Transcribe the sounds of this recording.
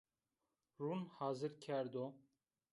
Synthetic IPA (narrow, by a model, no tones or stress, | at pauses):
ruːnhɑːzɨɾkʲʰɛɾd̪o